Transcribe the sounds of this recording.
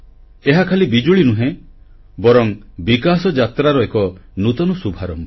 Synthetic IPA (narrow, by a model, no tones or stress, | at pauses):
eɦakʰalibid͡ʒuɭinuɦẽ | bɔɾɔŋbikasɔd͡ʒat̪ɾaɾɔekɔnut̪ɔnɔsubʱaɾɔm